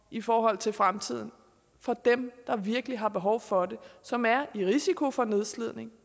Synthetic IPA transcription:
ʔifɒːɦɒ̽l̰t͡sʰe̝lfʁamt͡sʰið̞̰ˠn̩ | fɒ̽d̥emd̥ɑ̈ʋiɐɡ̥əliɦɑ̈b̥e̝ɦɒʊfɒ̽de̝sɒ̽mæɐiʁisikʰo̝fɒ̽ne̝ð̞ˠslið̞̰ˠne̝ŋ

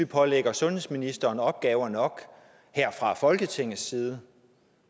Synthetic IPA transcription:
ipʰɒ̽leɡ̥ɐsɔ̽nhe̝sminisd̥ɐːnɒ̽b̥̚ɡ̥ɛːʊɐnɒ̽ɡ̥ | heɐ̰fʁɑ̈fɒ̽lɡ̥ət͡sʰe̝ŋ̰ð̩sːiːð̞ˠə

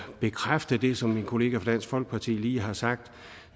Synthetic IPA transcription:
b̥e̝kʰʁafd̥əd̥e̝sɒ̽mːinkʰo̝le̝ːɡ̥æfʁɒd̥æn̰sɡ̥fɒ̽l̰ɡ̥̚pʰɑ̈t͡sʰḭːliːɦɑ̈sɑ̈ɡ̥̚d̥

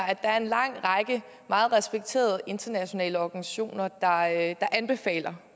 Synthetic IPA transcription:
æd̥ɑ̈æɐe̝nlɑ̈ŋ̰ʁɑ̈ɡ̥ə | mɑ̈ːð̞̩ˠʁɛsb̥eɡ̥̚t͡sʰe̝̰ːɐð̩ˠe̝nd̥ɐnæɕo̝nɛ̰ːləɒɡ̥ænisæ̥ɕo̝̰ːnɐd̥ɑ̈d̥ɑ̈ʔænb̥e̝fɛ̰ːlɐ

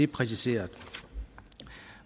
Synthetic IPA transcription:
e̝pʰʁɛs̬ise̝̰ːɐð̩ˠ

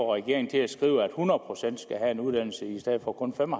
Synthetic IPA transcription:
ɒʁɛɡ̥e̝ɐeŋn̩t͡sʰe̝læsɡ̥ʁḭːʊæd̥hunɐðˠpʰʁo̝sen̰d̥sɡ̥æɦæe̝nuð̞ˠd̥æn̰l̩səisd̥eð̩̰ˠfɒ̽kʰɔ̽nfemɒ

